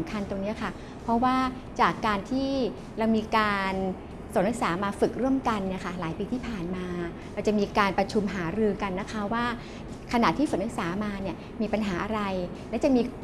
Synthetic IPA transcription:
mkʰa˧nt̪o˧ŋni˦˥ɐkʰa˥˩ | pʰɔ˦˥waː˥˩ | t͡ɕaː˨˩kːaː˧nt̪ʰiː˥˩ | ɾa˧wmiː˧kaː˧n | so˨˩˦nɾa˦˥k̚saː˩˦maː˧fɯ˨˩k̚ɾu˥˩əmka˧nːi˥˩ɐkʰa˥˩laː˩˦jpiː˧t̪ʰiː˥˩pʰaː˨˩nmaː˧ | ɾa˧wt͡ɕa˨˩ʔmiː˧kaː˧npɾa˧t͡ɕʰu˧mɦaː˩˦ɾɯː˧ka˧nːa˦˥kʰa˦˥waː˥˩ | kʰa˧na̰˨˩ʔt̪ʰiː˥˩fɯ˨˩ɾa˦˥k̚saː˩˦maː˧ni˥˩ɐ | miː˧pa˧nɦaː˩˦ʔa˧ɾa˧j | lɛː˦˥wt͡ɕa˨˩miː˧

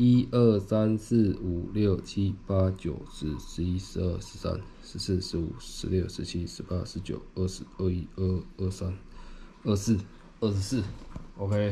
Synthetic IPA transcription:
i˦ə˥˩sa˦ns̩˥˩u˨˩ljo˥˩ʊt͡ɕʰi˦pa˦˥t͡ɕjo˨˩ʊʂɻ̩˧˥ʂɻ̩˧˥i˦˥ʂɻ̩˧ə˥˩ʂɻ̩˧˦sa̰˦˥n | ʂɻ̩˧˥s̩˥˩ʂɻ̩˧˦˥ṵ˨˩ʂɻ̩˧˦ljo˥˩ʊʂɻ̩˧˦t͡ɕʰi˦ʂɻ̩˧˥pa˦ʂɻ̩˧˥t͡ɕjo̰˨˩˦ʊə˥˩ʂɻ̩˧˦ə˥˧i˦˥ə˥˩ə˥˩sa˦n | ə˥˧s̩˥˩ | ə˥˩ʂ̩˧˥˦s̩˥˩o˧kʰe˥˦

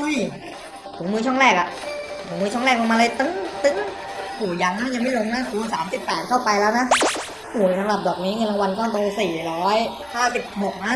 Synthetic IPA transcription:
u˧˥˩j | pʰu˨˩˦mɯː˧˥t͡ɕʰɔ˥˩ŋɾɛː˥˩k̚a˨˩ʔpʰu˩˦ŋmɯː˧˥˩t͡ɕʰɔ˥˩ɾɛː˥˩k̚lo˧maː˧lɤː˧˥jt̪ɯ˦˥ŋt̪ɯ˦˥ŋ | ʔʰuː˨˩jaː˧ŋna˦˥nja˧ŋma˥˩jlo˧ŋnaː˦˥˩kuː˨˦˨saː˩˦msi˨˩pːɛː˨˩t̪̚kʰa˥˩wpa˧jlɛː˦˥wna˦˥ | ʔuː˨˩sʰa˨˦ɾa˨˩p̚dɔː˨˩k̚niː˦˥ŋɤ˧nla˧ŋwa˧nkɔː˥˩t̪o˧siː˨˩ɾɔː˦˥j | kʰaː˥˩wsi˨˩p̚bo˨˩k̚na˦˥˩

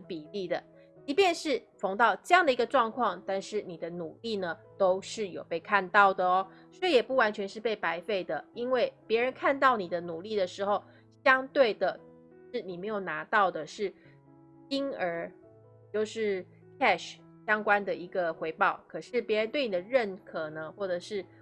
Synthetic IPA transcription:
npi˨˩li˥˩d̪ə˩ | t͡ɕi˧˥pjɛ˥˧nʂɻ̩˥˩ | fo˧˥ŋt̪ɑ˥˧ʊʈ͡ʂɤ˥˧jɑ˥˩ŋd̪ə˩i˧˥ɡə˧ʈ͡ʂwɑ˥˧ŋkʰwɑ˥˧ŋt̪a˥˧nʂɻ̩˥˩ni˨˩d̪ə˦nu˨˩li˥˩nə˩ | t̪o˥ʊʂɻ̩˥˩jo˨˩ʊpe˥˧ɪkʰa˥˧nt̪ɑ˥˩ʊd̪ə˩ɔ˦ | swɔ˥jɛ˨˩pu˥˩wa˧˥nt͡ɕʰɥɛ˧˥nʂɻ̩˥˧pe˥˩ɪpa˧˥ɪfe˥˩ɪd̪ə˩i˥nwe˥˩ɪpjɛ˧˥ɻə˧˥nkʰa˥˧nt̪ɑ˥˩ʊni˨˩d̪ə˦nu˨˩li˥˩d̪ə˩ʂɻ̩˧˥xo˨˩ʊ | ɕjɑ˥ŋt̪we˥˩ɪd̪ə˩ | ʂɻ̩˥˩ni˨˩me˧˥ɪjo˨˩ʊna˧˥t̪ɑ˥˩ʊd̪ə˩ʂɻ̩˥˩ | i˥nə˞˧˥ | t͡ɕjo˥˧ʊʂɻ̩˥˩ | kʰɛ˥˧ʂ | ɕjɑ˥ŋkwa˥nd̪ə˨i˧˥ɡə˨xwe˧˥ɪpɑ˥˩ʊkʰɤ˨˩ʂɻ̩˥˩pjɛ˧˥ɻə˧˦nt̪we˥˩ɪni˨d̪ə˦ɻə˥˩nkʰɤ˨˩nə˦xwɔ˥˩ʈ͡ʂɤ˨˩ʂɻ̩˥˩

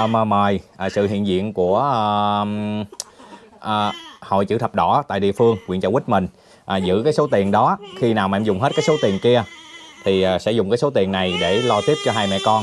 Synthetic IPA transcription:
məː˨˩məː˨˩jʔːsɨ̰˧˨ɦḭ˧˨ənzḭ˧˨ənku˧˩ə˨˩ | ʔːho̰˧˨jt͡ɕɨ̰˧˥˩t̪ʰə˨˩p̚ɗɔ˧˩t̪a̰ː˧˨jɗḭ˧˨əfɨ˧əŋwḭ˧˨nt͡ɕa˧˩wï̟˦˥mï˨˩ŋ̟ | ʔaː˨˩zɨ̰˧˥kaː˨˦jso˨˦t̪i˨˩ənɗɔ˨˦xi˧naː˨˩wmɛ̰˧mzʊ˨˩ŋ͡mɦe˦˥t̚kaː˨˦jso˨˦wt̪i˨˩ənki˧ə | t̪ʰi˨˩ʔːsɛ̰˧˥zʊ˨˩ŋ͡mkaː˨˦jso˨˦t̪i˨˩ənːa˨˩jɗe˧˩lɔ˧t̪i˦˥əp̚t͡ɕɔ˧ɦaː˧jmɛ̰˧˨kɔ˧n

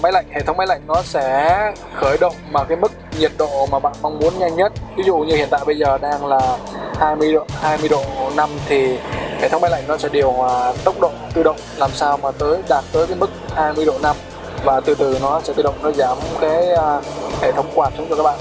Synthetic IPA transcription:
ma˨˦jla̰˧˨jŋ̟hḛ˧˨˩t̪ʰə˨˦wŋ͡mma˨˦jla̰˧˨jŋ̟nɔ˨˦sɛ̰˧˥ | xəː˧˩jɗə̰˧˨wŋ͡mmaː˨˩kaː˨˦jmɨ˦˥k̚ɲi˨˩ət̚ɗo̰˧˨maː˨˩ɓa̰ː˧˨nma˧wŋ͡mmu˨˦ənɲa˧jŋɲə˦˥t̚vi˨˦zṵ˧˨ɲɨ˧i˧˨ənt̪a̰ː˧˨jɓə˧jzəː˨˩ɗaː˧ŋlaː˨˩haː˧jmɨ˧əj̰haː˧jmɨ˧əjɗo̰˧˨na˧mt̪ʰi˨˩hḛ˨˩˨tʰə˨˦wŋ͡mm˨˦jla̰˧˨jŋ̟nɔ˨˦sɛ̰˧˥ɗi˨˩əwhwaː˨˩t̪ə˦˥wk͡p̚ɗo̰˧˨t̪ɨ˧ɗə̰˧˨wŋ͡mlaː˨˩msaː˧wmaː˨˩t̪əː˨˦jɗaː˨˩t̚t̪əː˨˦jkaː˨˦jmɨ˦˥k̚haː˧jmɨ˧əjɗo̰˧˨na˧m | vaː˨˩t̪ɨ˨˩t̪ɨ˨˩nɔ˨˦sɛ̰˧˥ɓḭ˧˩ɗə̰˧˨ŋ͡mnɔ˨˦zaː˧˩m˦ŋ͡mkaː˨˦jhe˧˩˨t̪ʰə˧˦wŋ͡mkwaː˨˩nt͡ɕʊ˨˦ŋ͡mt͡ɕɔ˧kaː˦˥k̚ɓa̰ː˧˨

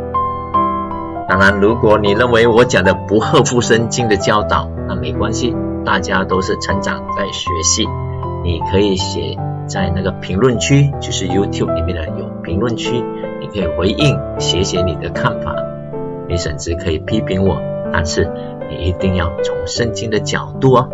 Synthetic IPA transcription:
t̪a˨˩ŋɻa˧˥nɻu˧˥kwɔ˨˩ni˨˩ɻə˥˩nwe˧˥ɪwɔ˧˥t͡ɕjɑ˨˩ŋd̪ə˦pu˧˥xɤ˥˧fu˥˧ʂə˥nt͡ɕi˥ŋd̪ə˨t͡ɕjɑ˥ʊt̪ɑ˨˩˦ʊna˥˩me˧˥ɪkwa˥nɕi˨ | t̪a˥˩t͡ɕja˥t̪o˥ʊʂɻ̩˥˩ʈ͡ʂʰə˧˥ŋʈ͡ʂɑ̰˨˩ŋt͡sa˥˧˩ɪɕɥɛ̰˧˥ɕi˧˩ | ni˨˩kʰɤ˧˥i˨˩ɕjɛ̰˨˩˦ | t͡sa˥˧ɪna˥˩ɡə˩pʰi˧˥ŋlwə˥˩nt͡ɕʰy˥t͡ɕjo˥˧ʂɻ̩˥˩ju˥t̪ʰju˥˩p̚li˨˩mjɛ˥˩nd̪ə˨jo˨˩ʊpʰi˧˥ŋlwə˥˨nt͡ɕʰy˥ | ni˨˩kʰɤ˧˥i˨˩xwe˧˥ɪʔi˥˩ŋɕjɛ˧˥ɕjɛ˧˥ni˨˩d̪ə˦kʰa˥˩nfa̰˨˩˦ | ni˧˥ʂə̰˨˩nt͡sɻ̩˧˥kʰɤ˧˥i˨˩pʰi˥pʰi˧˥ŋwɔ̰˨˩˦t̪a̰˥˧nʂɻ̩˥˩ | nḭ˨˩ʔi˧˥t̪i˥˧ŋjɑ˥˩ʊt͡sʰʊ˧˥ŋʂə˥˧ŋt͡ɕi˥ŋd̪ə˨t͡ɕjɑ̰˨˩ʊt̪u˥˩ɐ˦

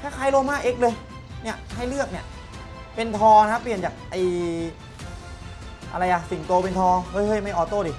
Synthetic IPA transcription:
t̪ʰaː˥˩kʰaː˧˥jlo˧mːaː˥˩k̚ʔe˦˥k̚lɤː˧j | ni˥˩ɐha˥˩jlɯ˥˩ək̚ni˥˩ | pe˧nt̪ʰɔː˧n˧kʰa˦˥pːli˨˩ənt͡ɕaː˨˩k̚ʔa˧˩j | ʔa̰˧ɾa˧jʔa˨˩si˨˩˦ŋt̪oː˧pe˧nt̪ʰɔː˧ɤː˦˥˩jhɤ˧˩jma˥˩jʔɔː˨˩t̪oː˧˩diː˧˩

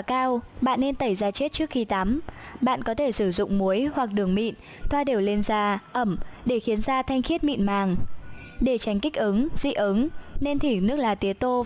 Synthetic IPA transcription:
kaː˧wɓa̰ː˧˨nːe˧nt̪ə˧˩jzaː˧t͡ɕe˦˥t̚t͡ɕɨ˦˥ək̚xi˧t̪aː˨˦mɓa̰ː˧˨nkɔ˨˦t̪ʰe˧˩sɨ˧˩zʊ̰˧˨ŋ͡mmu˨˦jhwa˨˩k̚ɗɨ˨˩əŋmḭ˧˨n | t̪ʰwaː˧ɗe˨˩wle˧nzaː˧ʔə˧˩mɗe˧˩xi˨˦ənzaː˧t̪ʰa˧jŋ̟xi˦˥ət̚mḭ˧˨nmaː˨˩ŋ | ɗe˧˩t͡ɕa˨˦jŋ̟kï˦˥k̟̚ʔɨ˨˦ŋzḭ˧˨ʔə˨˦nne˧nt̪ʰi˧˩nɨ˦˥ək̚laː˨˩t̪i˨˦ət̪o˧

